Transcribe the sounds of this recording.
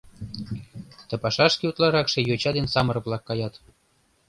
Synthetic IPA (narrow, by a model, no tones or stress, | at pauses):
t̪ɤ̆pɑʃɑʃkʲeut̪lɑɾɑkʃĕjot͡ɕɑd̪ensɑmɤ̆ɾɤ̆βlˠɑkːɑjɑt̪